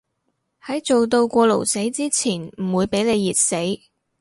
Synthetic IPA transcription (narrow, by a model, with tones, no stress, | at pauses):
hɐ˨˥jt͡so˨wt̪o˧wkʷɔː˧lo˨˩wse˨˥jt͡siː˥t͡sʰiː˨˩nm̩˨˩wuː˨˧jpe˨˥jle˨˧jːiː˨t̚se˨˥j